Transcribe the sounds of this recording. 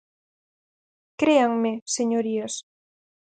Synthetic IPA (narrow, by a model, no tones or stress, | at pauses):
kɾeaŋmeseɲoɾias